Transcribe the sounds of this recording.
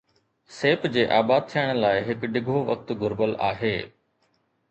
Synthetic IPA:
seːpd͡ʑeːʔaːbaːd̪̚t̪ʰijəɽ̃laːɪɦɪkɖɪɡʱoʋɐk̚t̪ɡʊɾbəla̰ːɦeː

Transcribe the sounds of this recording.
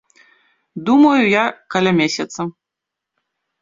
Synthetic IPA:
d̪umɐjujakɐlʲamʲesʲɐt̪sɐ

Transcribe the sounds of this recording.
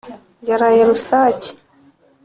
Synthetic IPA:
jaɾajaɾusaci̥

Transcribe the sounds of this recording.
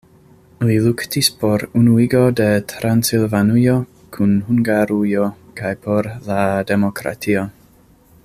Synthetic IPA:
liluktispo̞ɾunuiɡo̞de̞tʰɾansilvanujo | kʰunhuŋɡaɾujokajpʰo̞ɾlade̞mokɾa̰tʰio

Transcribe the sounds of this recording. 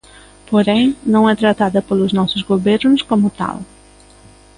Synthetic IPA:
poɾẽj̃nɐ̃w̃ɛt̪ɾɐt̪aðɐpelʊznɔsʊzɡoβeɾnʊskomʊt̪a̰lˠ

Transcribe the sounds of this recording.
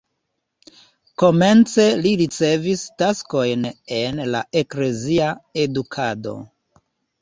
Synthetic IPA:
ko̞me̞nt͡se̞liɾit͡se̞vistasko̞jne̞nlaekle̞ziae̞dukʰado̞̰

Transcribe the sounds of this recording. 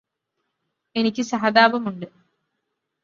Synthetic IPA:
enikʲːɨsɐɦɐd̪aːʋɐmuɳɖɨ

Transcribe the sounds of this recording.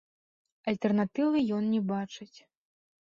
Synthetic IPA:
ɐlʲt̪ɛrnat̪ɨvɨjɔnnʲɛbat͡ʂɨt͡sʲ

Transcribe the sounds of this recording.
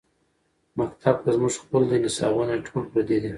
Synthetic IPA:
mak̚t̪ʰab̚kazmuʒxpəld̪inɪsɑ̰wunaʈʰolpɾad̪ed̪i

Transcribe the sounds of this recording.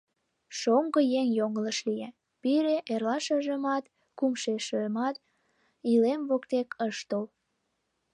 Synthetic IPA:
ʃoŋɡəjeŋjoŋələʃlije | piɾeʔerlɑʃəʒəmɑt̪ | kumʃeʃømɑt̪̚ | ilemβokt̪ekəʃt̪ol

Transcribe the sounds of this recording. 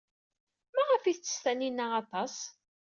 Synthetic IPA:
maʁəfiθt͡sːə̥st̪æninæɑt̪ˤɑs

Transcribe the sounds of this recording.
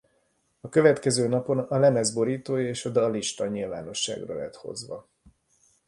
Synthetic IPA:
ɒkø̞vɛt̪kɛzøːnɒpo̞nɒlɛnɛzbo̞ɾiːt̪oːjeːʃod̪ɒliʃt̪ɒɲilva̰ːno̞ʃːa̰ːɡrɒ̰lɛ̰t̪ho̞̰zʋɒ̰

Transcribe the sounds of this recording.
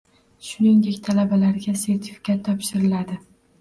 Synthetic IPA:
ʃʊnɪŋd̪e̞kʲt̪ʰalabalaɾɡʲase̞ɾt̪ʰɪ̥fi̥kʲʰat̪ʰːɒpʃɪɾɪlad̪ɪ

